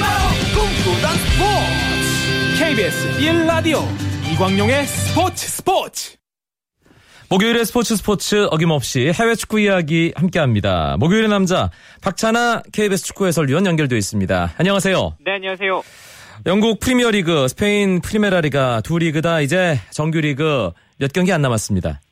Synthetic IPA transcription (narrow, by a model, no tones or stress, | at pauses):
komɡodanspʰo | kʰeibesilːadioiɡwaŋɲoŋe̞sʰɯpʰotʰɯ̥sʰɯ̥pʰot͡ɕʰ | moɡjoiɾesʰɯ̥pʰot͡ɕʰɯsʰɯ̥pʰot͡ɕʰɯʌɡimʌp̚ɕ͈ihe̞we̞t͡ɕʰu̥k͈uijaɡihamk͈e̞ɦamɲida̰moɡjojɾenamd͡ʑapak̚t͡ɕʰanakʰe̞ibesʰɯ̥t͡ɕʰu̥k͈ʰue̞sʰʌɭɥiʌnjʌnɡjʌɭdwe̞is͈ɯmɲida̰aɲʌŋasʰe̞jo̰neaɲŋasʰejo | jʌŋɡuk̚pʰɯɾimiʌɾiɡɯsʰɯ̥pʰe̞inpʰɯɾimeɾaɾiɡatuɾiɡɯdaid͡ʑe̞t͡ɕʌŋɡjuɾiɡɯ | jʌt̚kjʌŋɡianːamas͈ɯmɲida̰